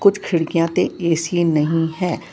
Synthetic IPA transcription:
kʊt͡ʃʰkʰɪɽkijãt̪ẽeːsienɐɦĩɦɛ̃ː

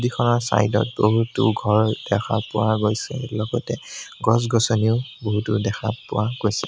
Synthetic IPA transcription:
dikʰɔnɔɹsa̰jdɔ̰t̚boɦutʊ̰ɡʱɔɹd̥ɛkʰa̰pʊwaɡojsɛlɔɡɔtɛɡɔs̬ɡɔsɔniʊboɦutʊdɛxʰapʊwaɡojsɛ

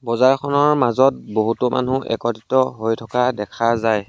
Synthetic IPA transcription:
bɔzaɹkʰɔnɔɹmazɔt̚boɦutɔma̰nuʔɛ̰kɔtitɔɦojtʰɔkadɛkʰazaj

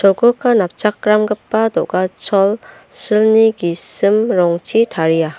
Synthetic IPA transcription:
sɔɡɯkʰːanap̚t͡ʃakːɾamɡɯpːadɔɡat͡ʃʰɔl | sɯlniɡisɯmɾɔŋt͡ʃʰitʰaɾija

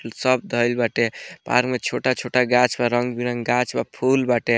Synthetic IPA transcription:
lsəb̚d̪ʱəjlbaʈepa̰ɾkmet͡ʃʰoʈat͡ʃʰoʈaɡãt͡ʃbaɾəŋɡbiɾəŋɡɡãt͡ʃbapʰulbaʈe

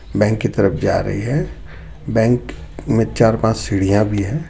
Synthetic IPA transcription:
bɛ̃ːŋkːit̪əɾəpʰd͡ʒa̰ːɾɐ̰ɦiɦɛ | bɛ̃ːŋk | mẽt͡ʃaːɾpãːt͡ʃsɪɽ̤ijãbʱiɦɛ̃ː

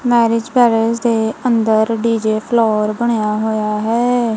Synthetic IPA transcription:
mɛːɾɪd͡ʒbɛːɾəɾzd̪eːənd̪əɾɖiːd͡ʒeːpʰloːɾbəɽ̃ejaːɦoːjaːɦɛː

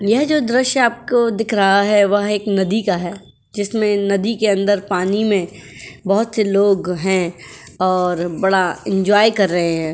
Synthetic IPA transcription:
jɐɦd͡ʒoːd̪ɾɪʃaːp̚kod̪ɪkʰɾɐɦaɦɛʋɐɦeːknɐd̪ikaɦɛː | d͡ʒɪsmẽnɐd̪ikeɐ̃nd̪əɾpaːnimẽbɐɦʊt̪seloːɡɦɛ̃ | ɔːɾbɐɽaɪ̃ɲd͡ʒwaːjkɐɾːɐɦeɦɛ̃ː

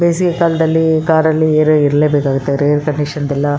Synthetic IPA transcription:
beːsikɐkaːlɐd̪ɐlːikaːɾɐlːieːɾoiɾɐleːbeːkaːɡut̪ːeɾejɐɾkɐɳɖikʂɐnd̪ɛlːɐ

